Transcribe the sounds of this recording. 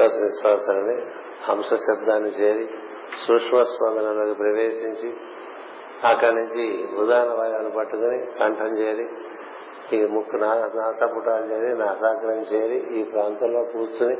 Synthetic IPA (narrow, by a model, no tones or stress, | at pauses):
ɐsʋiʃʋaːsɐlɐni | ɐmʂɐʃɐb̚d̪aːnːit͡ʃeːɾi | sukʂmɐspɐnd̪ɐnɐloːkipɾɐʋeːʃiɲt͡ʃi | ɐkːɐnuɲt͡ʃiud̪aːɐnɐʋɐjaːnupɐʈːukunikɐɳʈʰɐmt͡ʃeːɾi | imukʰːunanaːsɐpuʈaːlt͡ʃeːɾinaːtaːkɐɾɐnt͡ʃeːɾiʔiːpɾaːnt̪ɐmlo̞ːpuːt͡ʃuni